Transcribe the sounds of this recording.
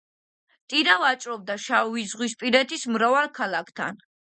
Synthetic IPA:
t̪ʼinavat͡ʃʼɾɔb̚d̪aʃaizʁwispʼiɾɛt̪ʰismɾavalkʰalˠakʰt̪ʰa̰n

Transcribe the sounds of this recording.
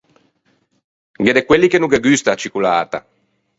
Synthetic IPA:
ɡed̪ekwelːikenuɡeɡyst̪at͡ʃikulaːt̪a̰

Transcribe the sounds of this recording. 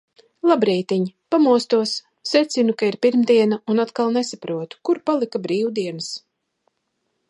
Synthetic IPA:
lˠabɾɛːt̪iɲpamuɔst̪uɔsː | ɛt̪sinukaiɾpiɾmd̪iɛnaunat̪kalˠnesapɾuɔt̪u̥kuɾpalˠikabɾiːwd̪iɛnɨs

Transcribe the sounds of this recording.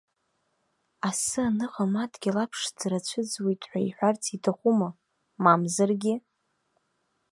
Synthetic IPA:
asɨanɨqʼamatʰʼɡʲilapʰʂd͡zɾat͡ɕʷʰɨd͡zwitʼʰħʷᶣaiħʷᶣart͡sʰitʰaχʷuma | mamzarɡʲɪ

